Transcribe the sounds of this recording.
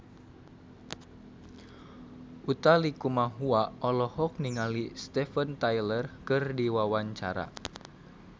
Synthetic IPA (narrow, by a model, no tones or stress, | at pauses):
ʔut̪alikumaɦuaɔlɔhɔk̚niŋalist̪ɛfənt̪ajlərkɨrdiwawaɲt͡ʃaɾa̰